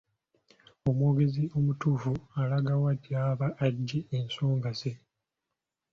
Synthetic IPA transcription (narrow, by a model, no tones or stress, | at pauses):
o̞mwo̞ːɡe̞zio̞mutuːfualaɡawadjaːβaʔːɟːiensoːŋɡaze